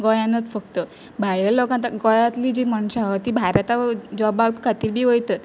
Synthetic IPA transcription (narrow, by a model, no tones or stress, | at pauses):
ɡɔjanət̪fəkt̪ə | bʱajɾalokãnt̪əɡɔjãt̪liːd͡ʑimaɳ̃ɕaʋət̪iːbʱajɾat̪ad͡ʑɔbaɡkʰat̪iːɾbʱiːʋojt̪ə